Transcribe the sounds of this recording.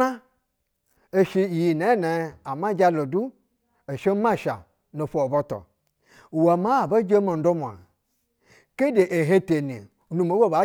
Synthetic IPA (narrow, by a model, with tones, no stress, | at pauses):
a˦ | e˨ʃi˧˨ji˨na˨˦ne˨a˨mã˦d͡ʒa˧lo˨du˦ | e˨ʃe˦ma˦˨ʃa̰˨ | no˨fo˨o˨bo˧to̰˨ | wa˨ma˦˨ba˦d͡ʒe˦mo˨n̩˦do˦mʷ˨a̰˨ | ke˦de˨ʔe˨ɦe˦te˨nḭ˨˦ | nu˧mo˨˦wo˦ba˨˦